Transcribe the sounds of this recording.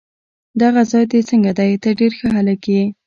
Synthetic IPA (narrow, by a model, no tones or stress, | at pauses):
d̪aɣazɑjd̪et͡səŋɡad̪ajt̪əɖeɾxəɦalək